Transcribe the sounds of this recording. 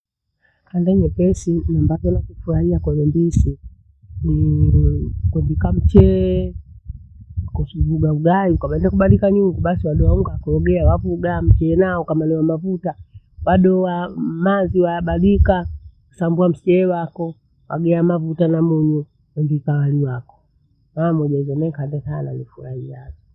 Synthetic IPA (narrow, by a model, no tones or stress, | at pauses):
kandaɲɛpɛsiɲambakɛnakufuɾaiakalɛmbisi | ni | kwɛmbikam̩t͡ʃɛ | kɔsivuɡauɡaiukaɓaɛnnakuɓalikaɲuŋɡuɓasiwaɗɔwauŋɡakɔwaɡɛawavuɡam̩t͡ʃɛːnaɔkamanɛwamavuta | waɗɔwamaziwajaɓaɗikaku̥sambuam̩st͡ʃɛːwakɔ | wa̰ɡɛamavutanamuɲu | wɛmbikawaliwakɔ̥ | mamɔʄazɔmɛŋkandɛtana̰lifuɾahijalɔ